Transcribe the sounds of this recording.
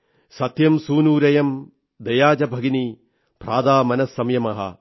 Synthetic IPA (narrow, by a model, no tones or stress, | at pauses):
sɐt̪jɐmsuːnuːɾɐjɐm | d̪ɐjaːd͡ʒɐbʱɐɡini | pɾaːd̪aːmɐnɐsːɐmjɐmɐɦɐ̰